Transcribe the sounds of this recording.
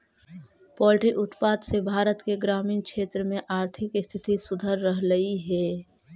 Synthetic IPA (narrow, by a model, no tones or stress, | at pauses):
pɔːlʈɾiʔʊt̪paːd̪sebʱaːɾət̪keɡɾaːmiːnkʃeːt̪ɾəmẽʔaːɾt̪ʰɪkst̪ʰɪt̪isʊd̪ʱəɾːəɦləiɦɛː